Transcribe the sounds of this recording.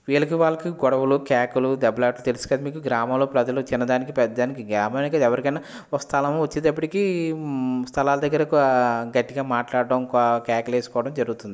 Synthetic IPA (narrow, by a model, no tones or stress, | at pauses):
ʋiːɭɐkiʋaːɭːɐkiɡɔɽɐwulukaːkulud̪ɐbɐlaːʈlut̪e̞lusu̥kɐd̪imiːkuɡɾaːmɐmloːpɾɐd͡ʒɐlut͡ʃinːɐd̪aːnikipɛd̪ːɐd̪aːnikiɡaːmɐmɐnikɐd̪ɛʋɐɾikɐjna | okːɐst̪ʰɐlɐmʋɐt͡ʃːind̪ɐpːɐʈiki | st̪ʰɐlaːlɐd̪ɐɡːɐɾɐkɡɐʈːiɡaːmaːʈlaːɽːɐmkːkaːkleːsu̥kɔːʋɐʈɐmd͡ʒɐɾuɡut̪und̪ii